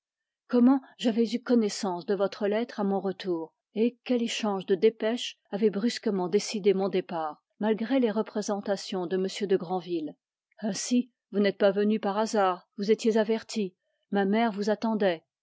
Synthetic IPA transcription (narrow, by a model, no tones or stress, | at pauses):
kɔmɑ̃ʒavɛzykɔnɛsɑ̃sd̪əvɔt̪χəlɛt̪χamɔ̃ʁət̪uːʁ | ekʲɛleʃɑ̃ʒd̪əd̪epɛʃ | avɛbʁyskəmɑ̃d̪esid̪emɔ̃d̪epaːʁ | malɡʁeleʁəpχezɑ̃t̪asjɔ̃d̪əməsjød̪əɡʁɑ̃vil | ɛ̃si | vunɛt̪̚pavənypaʁazaːʁvuzet̪jezavɛʁt̪ʰi | mamɛʁvuzat̪ɑ̃d̪ɛ